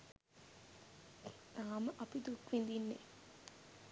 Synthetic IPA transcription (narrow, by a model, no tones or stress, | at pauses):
aːməʔɐpid̪ukʋind̪inːḛ